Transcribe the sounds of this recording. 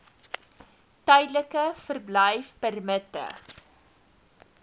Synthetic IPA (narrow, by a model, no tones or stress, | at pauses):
tœjdləkəfərbləjfpərmətə̰